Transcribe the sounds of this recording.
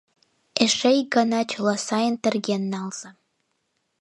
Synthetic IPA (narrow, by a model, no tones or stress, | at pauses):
eʃejɡɑnɑt͡ɕolˠɑsɑjənt̪ə̆rɡenːɑlz̥ə̆